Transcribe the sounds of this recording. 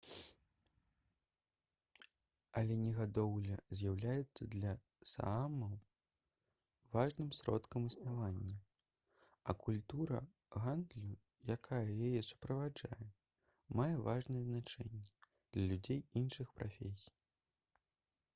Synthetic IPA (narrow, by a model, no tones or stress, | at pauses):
ɐlʲɛnʲɛɣad̪ɔwlʲɐzʲjawlʲajɛt̪sːɐd̪lʲɐ | sa̰amɐw | vaʐnɨmsɾɔ̰t̪kɐmɨsnavanʲːɐ | ɐkulʲt̪uɾɐ̰ | ɣand̪lʲu | jakʰajɐjajɛsu̥pɾɐvad͡ʐa̰jɛ | majɛvaʐnɛjɛznat͡ʂɛnʲːɛ | d̪lʲɐlʲud͡zʲejinʂɨxpɾafʲesʲi̥j